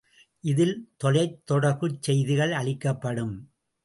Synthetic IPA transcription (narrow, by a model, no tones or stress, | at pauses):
ʔɪðɪlt̪ːɔlɐɪt̪ːɔɽɐɾʋɯt͡ʃsɛjðɪɣɐɭɐɭɪkːɐpːɐɽɯm